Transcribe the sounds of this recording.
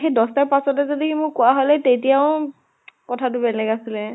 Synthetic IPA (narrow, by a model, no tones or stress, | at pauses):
xejdɔstaɹpasɔtɛzodikimʊɹkʊwaɦolɛtejtijaʊ | kɔtʰatʊbɛlɛɡasilɛ